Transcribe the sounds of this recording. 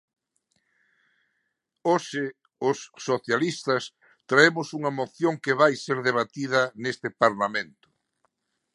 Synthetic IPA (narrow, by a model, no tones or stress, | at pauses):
oʃɪ | ʊsːoθjalist̪ɐs | t̪ɾaemʊsuŋɐmoθjoŋkɪβajseɾðeβ̞at̪iðɐnest̪ɪpaɾlamẽnt̪ʊ̥